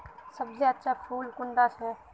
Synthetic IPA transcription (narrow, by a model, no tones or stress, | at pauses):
səbseɐtːʃʰapʰuːlkʊɳɖasɛ